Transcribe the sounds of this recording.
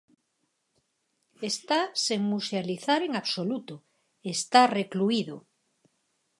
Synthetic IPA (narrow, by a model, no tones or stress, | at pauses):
est̪aseŋmusealiθaɾeŋaβsolut̪o | est̪arekluiðo